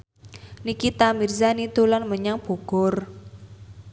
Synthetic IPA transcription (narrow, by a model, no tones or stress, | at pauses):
nikit̪amirzanit̪ulanməɲaŋb̥o̤ɡ̥ɔ̤r